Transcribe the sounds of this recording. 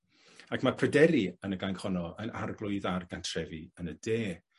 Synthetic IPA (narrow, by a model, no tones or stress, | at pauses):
akʰmapʰrədɛɾiənəɡaŋkhɔnɔəna̰rɡlˠʊɨðarɡantʰrɛviənədeː